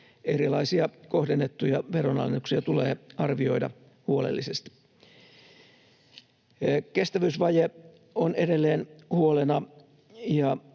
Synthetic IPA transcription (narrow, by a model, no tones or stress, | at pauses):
eɾilɑisiɑko̞hdenːet̪ːujɑʋeronɑ̰lːet̪uksiɑt̪uleːɑrʋio̞idɑ̰ | huolḛlːisest̪i̥ | kest̪æʋyːsʋɑje | onede̞lːeːnhuolenɑ | jɑ